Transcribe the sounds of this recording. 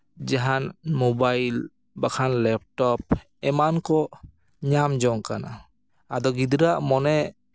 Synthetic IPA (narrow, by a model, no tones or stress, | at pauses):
d͡ʒaɦanmobajl | bakʰanlɛp̚ʈɔp̚ | ɛmankɔ | ɲamd͡ʒɔŋkana̰ | ad̪ɔɡid̪ɾaʔmɔnɛ